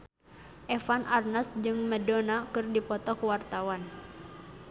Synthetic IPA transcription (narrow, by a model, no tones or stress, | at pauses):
ʔɛfanʔarnasd͡ʒɨŋmɛdɔnakɨrdipɔt̪ɔkuwart̪awan